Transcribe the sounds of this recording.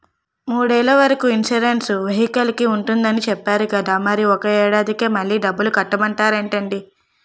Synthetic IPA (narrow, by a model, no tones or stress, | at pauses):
muːɽeːlɐʋɐɾɐkuinʃuɾensuʋeɦikɐlikiuɳʈund̪ɐnit͡ʃɛpːaːɾukɐd̪aːmɐɾiɔkɐɛːɽaːd̪ikeːmɐɭːiːɖɐbːulukɐʈːɐmɐɳʈaːɾeːɳʈɐɳɖi